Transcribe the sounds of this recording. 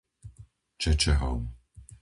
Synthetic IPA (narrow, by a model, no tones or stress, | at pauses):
t͡ʃʰɛt͡ʃʰɛɦa̰m